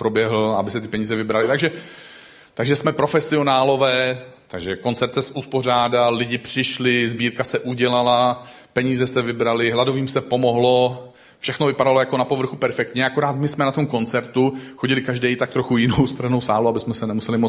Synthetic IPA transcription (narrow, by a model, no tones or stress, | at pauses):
pɾo̞bjɛɦl̩abɪsɛt̪ɪ̥pɛɲiːzɛvɪbɾalɪt̪aɡʒɛ | t̪aɡʒɛsmɛpɾo̞fɛsɪo̞naːlo̞vɛː | t̪aɡʒɛko̞nt͡sɛɾt̪sɛsʔuspo̞r̝aːdalːɪɟɪpr̝̥ɪʃlɪzbiːɾkasɛʔuɟɛlalapɛɲiːzɛsɛvɪbɾalɪɦladoviːmsɛpo̞mo̞ɦlo̞ | fʃɛxno̞vɪpadalo̞jako̞napo̞vr̩xupɛɾfɛkt̪ɲɛʔako̞ɾaːt̪mɪsmɛnat̪o̞mko̞nt͡sɛɾt̪uxo̞ɟɪlɪkaʒdɛjt̪ak̚t̪ɾoxujɪnowst̪r̩ɦno̞wsaːluabɪsmɛsɛnɛmusɛlɪmo